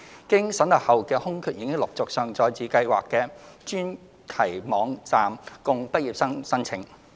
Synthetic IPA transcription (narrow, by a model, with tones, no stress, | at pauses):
kɪ˥ŋsɐ˨˥nlɐ˨p̚hɐ˨wkɛː˧hʊ˥ŋkʰyː˧t̚jiː˨˧kɪ˥ŋlʊ˨k̚t͡sʊ˨k̚sœː˨ŋt͡sɔː˧jt͡sʰiː˨˧˥kɐ˧jwaː˨kːɛː˧t͡ʃyː˥n | t̪ʰɐ˨˩jmɔː˨˧ŋt͡saː˨mkʊ˨˧ŋpɐ˥t̚jiː˨p̚sɐ˥ŋsɐ˥nt͡sʰɪ˨˩ŋ